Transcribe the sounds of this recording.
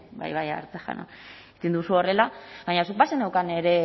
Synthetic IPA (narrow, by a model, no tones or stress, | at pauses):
ba̰jβaja̰ɾt͡saxa̰na̰ | it̪ind̪usuo̞re̞laβaɲasuk̚basenewkane̞ɾe̞